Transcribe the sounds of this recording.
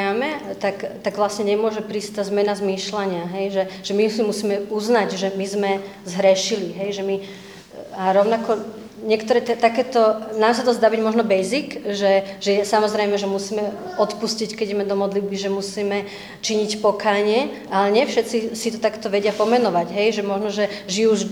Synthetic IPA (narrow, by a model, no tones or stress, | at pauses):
amɛt̪akt̪aɡʋlasɲɛɲɛmʊɔʒɛpɾiːsc̚t̪aːzmɛnazmiːʃlaɲɪaɦɛjʒɛʒ̥ɛmisimusiːmɛuznaɟʒɛmizmɛzɦɾɛʃiliɦɛjʒɛmi | aɾɔʊnakɔ | ɲɪɛkt̪ɔɾɛːt̪ɛt̪akɛːt̪ɔnaːmsat̪ɔzd̪aːbiɟmɔʒnɔbɛjzikʒɛʒɛɛsamɔzɾɛjmɛʒɛmusiːmɛɔt̪puscickɛiɟɛmɛd̪ɔmɔd̪lid̪̚biʒɛmusiːmɛ | t͡ʃiɲicpɔkaːɲɪɛ | alɛɲɪɛfʃɛt͡sisit̪ɔt̪akɛt̪ɔʋɛɟɪapɔmɛnɔʋaɟɦɛjʒɛmɔʒnɔʒɛʒiuʒ